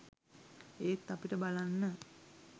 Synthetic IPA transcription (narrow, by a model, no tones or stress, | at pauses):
eːt̪ːapiʈəbalanːə